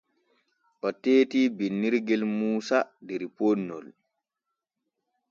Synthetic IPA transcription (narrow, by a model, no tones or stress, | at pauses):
ʔɔteːtiːbinːiɾɡɛlmuːsadɛɾponːɔ̰l